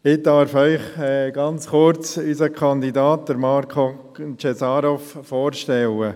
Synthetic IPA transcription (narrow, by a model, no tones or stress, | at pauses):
ɪd̥ɑɾfœʏχɛɡ̥ɑnt͡sχʊɾt͡sysəkʰɑnd̪idɑːt̚d̥əɾmɑɾkʰo | t͡ʃesɑːɾɔffoːɾʃtɛlə